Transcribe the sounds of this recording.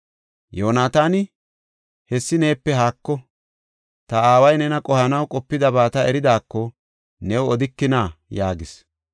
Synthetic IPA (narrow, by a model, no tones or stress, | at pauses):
jo̞ːnaːt̪aːnɪ | hɛsːɪne̞ːpːɛɦaːkːɔ | t̪ɐaːwɐjnɛnɐkʼɔhɐnɐwkʼɔpːɪd̪ɐbaːt̪ɐɛɾɪd̪aːkːɔ | nɛwʊɔd̪ɪkːɪnaːjaːɡɪs